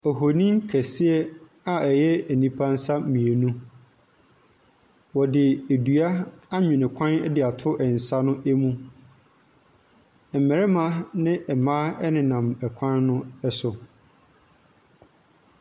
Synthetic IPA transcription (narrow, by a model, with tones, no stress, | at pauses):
ɔ˨ɦo˨nĩ˦ŋ˦kʰɛ˨sɪ˦ɛ˦ | a˨ɛ˨jɛ˦æ˨nĩ˦pʰa˦n̩˦sa˦mĩ˨e˨nũ˦ | wɔ˨dɪ˨æ˨du˨a˦a˦ɲᶣʊ̃˨nɪ̃˨kʷʰã˦nɛ˦dɪ˨a˨tʰʊ˦ʔɛ˨n̩˨sa˦nʊ̃˦ʔæ˦mũ˦ | ɛ˨mɛ˨ɾɛ˦mã˦nɪ̃˦ʔɛ˨mãː˦ɛ˦nɪ̃˨nã˨mɛ˨kʷʰã˦nːʊ̃˦ɛ˦sʊ˨